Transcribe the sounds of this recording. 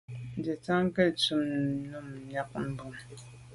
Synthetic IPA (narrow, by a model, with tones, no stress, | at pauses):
n̩˨dɛ˨ta˦ŋ˦kɛ˦˨tu˦m˦nu˦˨m̩˨ɲa˦k̚m̩˦bu˨m